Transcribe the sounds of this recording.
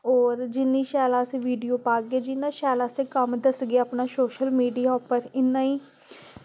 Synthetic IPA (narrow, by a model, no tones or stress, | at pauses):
ɔːɾd͡ʒɪnːĩːʃaːlaːsẽːʋiːɖijoːpaːɡeːd͡ʒɪnːãːʃaːlaːsẽːkəmd̪əsɡeaaːpnaːsoːʃəlmiːɖijaːpəɾɪnːãːiː